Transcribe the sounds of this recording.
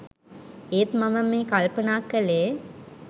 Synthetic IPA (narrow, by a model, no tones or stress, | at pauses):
eːt̪mɐməmːeːkɐlpənaːkːəleː